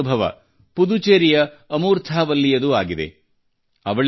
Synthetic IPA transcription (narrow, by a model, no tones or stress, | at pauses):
ubʱɐʋɐ̰ | pud̪ut͡ʃeːɾijɐː | muːɾt̪ʰaːʋɐlːijɐd̪uaːɡid̪ḛ | ɐʋɐɭ